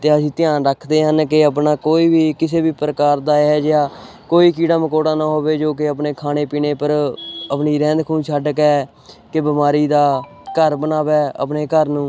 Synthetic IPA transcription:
t̪eːəsĩːt̪ɪjaːnɾəkʰd̪eːɦənkɪəpnaːkoːiːbiːkɪseːbiːpɾəkaːɾd̪aːɛːd͡ʒaː | koːiːkiːɽaːməkoːɽaːnãːɦoːʋeːd͡ʒoːkɪəpneːkʰaːñeːpiːneːpəɾəpniːɾɛ̃ːnd̪kʰũːnt͡ʃʰəɖkɛː | kɪbɪmaːɾiːd̪aː | kəɾbənaːʋɛːə̰pneːkəɾnũː

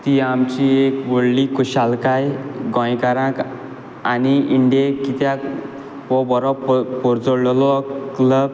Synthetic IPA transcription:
t̪iamt͡ɕiekʋoɽlikuɕalkajɡɔ̃jkaɾãk | aniiɳɖijekːit̪ja | ʋɔbɔɾɔppɔɾd͡zɔɽɭlɔkləb

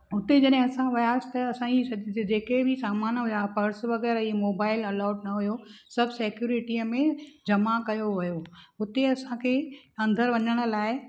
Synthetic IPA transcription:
ʊt̪ed͡ʑɐɗɦɪ̃ɐsãʋɐjaːst̪ɐɐsãisɐdd͡ʑeːkebʱɪsaːmaːnɦʊjapɐɾsʋɐɣɛːɾimoːbaːɪlɐlaːʊɖnɐɦʊjosɐbʱseːkjuːɾɪʈiəmẽd͡ʑɐmakɐjoʋɐjoʊt̪eɐsãkʰeɐ̃nd̪ʱəɾʋɐɲəɽ̃ʊ̆laːɪ

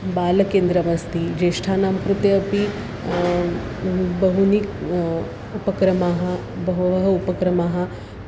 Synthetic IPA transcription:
baːlɐkeːnd̪ɾɐʋɐst̪id͡ʒeːʂʈʰaːnaːmkɾut̪jɐːpi | bɐɦunik | upɐkɾɐmaːɦɐ | bɐɦʋɐɦɐupɐkɾɐmaːɦɐ̆

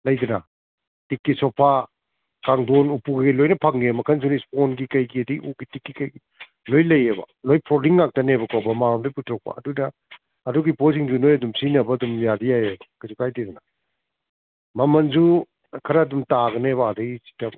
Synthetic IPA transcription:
lɐjdɐnɐ | tikːisɔpʰa | kaŋdonupuɡilojnɐpʰaŋemɐkʰɐns̬unisponɡikɐjɡiɐdiʔuɡitikːikɐjɡi | lojlɐjebɐ̰ | lojpʰɾɔliŋːak̚tɐnebɐkɔbɐmaɾɔmdojputʰɾɔk̚pɐ̰ɐ̰dunɐː | duɡipos̬iŋzunojɐdumsinɐbɐːdumjadijajɐbɐkɐsukʰajdidɐnɐ | mɐmɐnzu | kʰɐɾɐːdumtaɡɐneβaːdɐɡisi̥tɐm

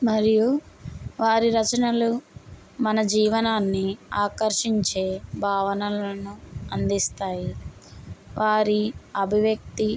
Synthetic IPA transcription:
mɐɾiju | ʋaːɾiɾɐt͡ʃɐnɐlu | mɐnɐd͡ʒiːʋɐnaːnːiaːkɐɾʂiɲt͡ʃe̞ːbʱaːʋɐnɐlɐnuɐnd̪ist̪aːji | ʋʔaːɾiɐbʱiʋjɐk̚t̪i

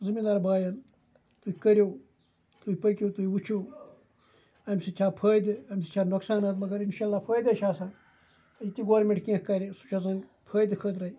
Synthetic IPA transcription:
zimind̪aːɾbaːjɐn | t̪uikɐɾʲjoː | t̪uipɐkʲjoːt̪uːiut͡ʃʰoː | ɐmʲsit͡ʃʰaːpʰəːjd̪ɨɐmsi̥t͡ʃʰaːnoksaːnɐt̪mɐɡɐɾinʃaːlːaːpʰəːjd̪ɐʃaːsaːn | ɐit̪ʲiɡoːɾmʲẽɳʈkẽːkkɐɾʲisu̥t͡ʃʰazɐnɡpʰəːjd̪kʰəːt̪ɾɐi

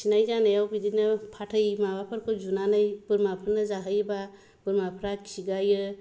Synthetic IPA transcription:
sinajzanɯjawbidinɯpʰatʰɯjmabapʰɯɾkʰɯzunanɯjb̥ɯɾmapʰɯɾnazaɦɯjba | b̥ɯɾmapʰɾakʰiɡajɯ

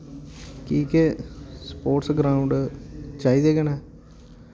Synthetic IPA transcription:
kiːkespoːʈsɡɾaːʊ̃ɳɖt͡ʃaːiːd̪eːɡənɛː

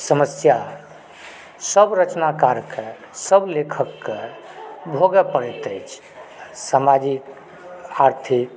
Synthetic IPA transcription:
səməsja | səbɾət͡ʃnakaɾke | səblekʰəkːe | bʱoɡɛpəɾɛt̪əjt͡ʃʰ | samad͡ʒik | aɾt̪ʰik

